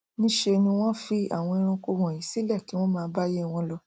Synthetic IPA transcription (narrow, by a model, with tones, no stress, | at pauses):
nĩ˦ʃe˧nĩ˧w̃ɔ̃˦fi˧a̰˦˨w̃ɔ̃˧i˧ɾ̃ã˧ko˧wɔ̃˨jĩ˨˦si˦lɛ˦˨ki˨˦w̃ɔ̃˦mãː˨˧˦ba˦je˦˨w̃ɔ̃˧lɔ˧